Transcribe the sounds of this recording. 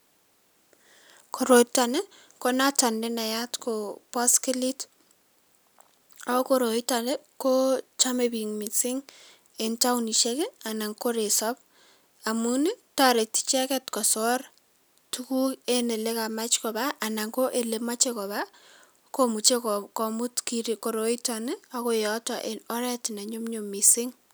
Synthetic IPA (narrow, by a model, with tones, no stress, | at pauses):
kʰo˨ɾo˨ta˨ne˦ | ko˦na˦ta˨ndɛ˦na˨ja˦tkopɔ˦skɪ˦li˦t | a˦ko˦ɾo˨i˦ta˨ne˦ko˦t͡ʃame˨bi˨ŋmi˨t͡sɪ˦ŋ | e˨nta˦wni˨ʃe˦kea˨na˨ŋko˦ɾe˨sɔp | a˨munɪ˦taɾe˨ti̥˦t͡ʃɛ˦kɛtkɔ˨sɔr | tuku˦kene˨le˦kama˦t͡ʃkɔ˨baː˨na˨ŋko˦ʔe˨lema˦t͡ʃekɔ˨ba˦ | komu˨t͡ʃekkɔ˨mu˦tkiɾko˨ɾo˨itanɪ˦ako˦jɔtɔ˨ʔenɔ˦ɾɛ˦tɪna˨ɲo˦mɲomi˨sɪŋ